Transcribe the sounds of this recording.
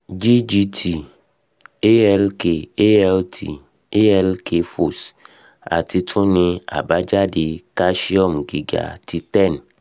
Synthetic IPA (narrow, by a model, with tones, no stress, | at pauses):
d͡ʒi˦d͡ʒi˧tʰi˨ | e˦ɛ˧lke˨e˦ɛ˧ltʰi˨ | e˦ɛ˧lkʰe˧fo˨s | a̰˨ti˧tʰũ˦nĩ˧a̰˨ba˨˦d͡ʒa˦di˧ka˦ʃi˦ɔ˦˨mɡi˨ɡa̰˨ti˧tɛ˦˨n